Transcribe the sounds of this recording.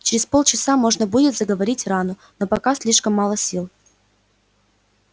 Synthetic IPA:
t͡ɕɪɾʲɪspo̞lˠt͡ɕɪsamo̞ʐnəbudʲɪt̪zəɡəvɐɾʲitʲranʊ | nopɐkasʲlʲiʂkəmːɑlˠəsʲilˠ

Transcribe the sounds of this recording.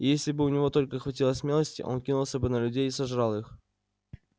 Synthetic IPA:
jesʲlʲɪbɨʊnʲɪvo̞t̪o̞lʲkəxvɐtʲilˠəsʲmʲelˠəsʲtʲɪ̰ʔo̞̰nkʲinulˠsʲəbɨnəlʲʉdʲejisɐʐɾɑlˠix

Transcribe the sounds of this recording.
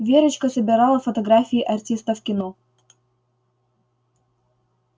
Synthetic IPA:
vʲeɾʲɪt͡ɕkɐsɐbʲɪɾɑlˠɐfɐt̪ɐɡɾafʲɪjiʔɐrʲt̪ʲist̪ɐfkʲɪnɔ

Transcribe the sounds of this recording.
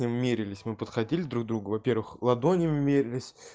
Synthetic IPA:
nʲɪʊmʲeɾʲɪlʲɪsʲmɨpət̪xɐdʲilʲɪd̪ɾuɡ̚d̪ɾuɡəvɐpʲe̞rvɨxlˠɐd̪onʲɪʊmʲeɾʲɪlʲɪsʲ

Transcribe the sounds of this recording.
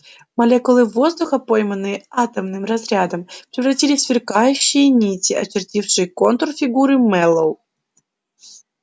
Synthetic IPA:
mɐlʲekʊlˠɨvo̞zd̪ʊxəpo̞jmənːɨjəat̪əmnɨmrɐzɾʲad̪əmpɾʲɪvrɐtʲilʲɪsvʲɪrkajʉɕːɪjənʲitʲɪʔɐ̰t͡ɕɪrtʲifʂɨjəko̞nt̪ərfʲɪɡuɾɨmɛlˠow

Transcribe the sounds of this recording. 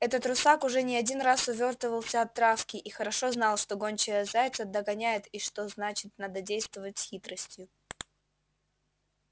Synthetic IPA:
ɛt̪ət̪ɾʊsakʊʐɛnʲɪɐdʲinrasʊvʲo̞rt̪vəvəlˠsʲəɐt̪ːɾafkʲɪʔixəɾɐʂo̞znɑlˠʂt̪o̞ɡonʲt͡ɕɪjəzajʲɪt̪səd̪əɡɐnʲæjɪt̪iʂt̪o̞znat͡ɕɪt̪̚nad̪ədʲejst̪vəvətʲsʲxʲit̪ɾəsʲtʲjʊ

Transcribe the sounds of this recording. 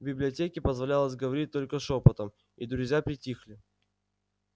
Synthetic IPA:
bʲɪblʲɪɐtʲekʲɪpəzvɐlʲalˠəsʲɡəvɐɾʲit̚ʲt̪o̞lʲkəsopət̪əm | id̪ɾʊzʲjapɾʲɪtʲixlʲɪ

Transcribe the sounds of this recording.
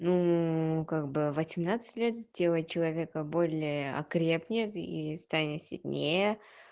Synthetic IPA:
nukaɡ̚bɨvɐsʲɪmnat̪sɨ̥tʲlʲet̪dʲelˠət͡ɕɪlˠɐvʲekəbolʲɪəɐ̰kɾʲe̞pnʲɪt̪ist̪anʲɪt̪sʲɪ̰lʲnʲejə

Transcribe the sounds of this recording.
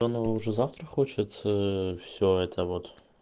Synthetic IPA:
onovəʊʐɛzaft̪rəxot͡ɕɪt̪fsʲoɛt̪ʰəvot̪

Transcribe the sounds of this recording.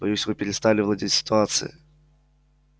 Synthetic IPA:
bɐjusʲvɨpʲɪɾʲɪst̪alʲɪvlˠad͡zʲitʲsʲɪ̥t̪ʊat̪sɨ̰jɪ̰

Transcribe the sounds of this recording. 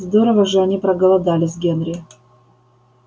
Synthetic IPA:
zd̪o̞ɾəvəʐɨɐnʲipɾɐɡəlˠɐd̪alʲɪzʲɡʲenɾʲɪ

